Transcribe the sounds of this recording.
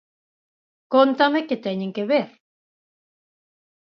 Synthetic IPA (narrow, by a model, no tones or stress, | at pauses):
kont̪ameket̪aenʲeŋkeβeɾ